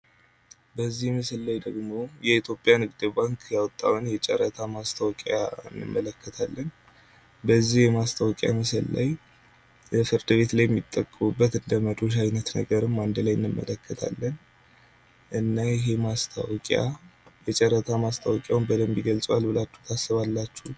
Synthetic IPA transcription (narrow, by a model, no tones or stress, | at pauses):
bəzːihmɨsɨlːajd̪əɡmo̞jɛit̪ʰjo̞pʼːjanɨɡd̪ɨbaŋkʰjawɔt̪ʼːa̰wnjɛt͡ʃʼɛ̰ɾət̪ʰamast̪ʰəwɔkʼaɨ̰nːɨ̰mːələkʰːət̪ʰalːən | bəzːihjɛmast̪ʰawɔkʼja̰mɨsɨlla̰j | əfɨɾd̪ɨβe̞t̪lajɛmːit̪ʼːəkʼːəmubːət̪ɨnd̪əməd̪o̞ʃ̬ajnət̪nə̰ɡəɾɨmːand̪ɨlajɨnːɨmːə̰ləkːət̪ʰa̰lːən | ʔɨnːajɪɦe̞mast̪ʰawɔkʼja̰jɛt͡ʃʼɛɾət̪ʰamast̪ʰawɔkʼjawnbəd̪əmbjiɡəlt͡sʼwalbɨlat͡ʃːuht̪ʰasːɨβalːat͡ʃːu